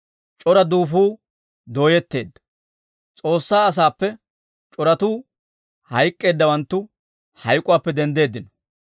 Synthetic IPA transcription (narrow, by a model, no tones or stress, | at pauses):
t͡ʃʼɔɾɐd̪uːfuː | d̪o̞ːjɛt̪ːe̞̰ːd̪ːɐ̥ | t͡sʼo̞ːsːaːɐs̬aːpːɛ | t͡ʃʼɔɾɐt̪uː | hɐjkʼːe̞ːd̪ːɐwɐnt̪ːʊ | hɐjkʼːʊwaːpːɛd̪ɛnd̪e̞ːd̪ːɪnɔ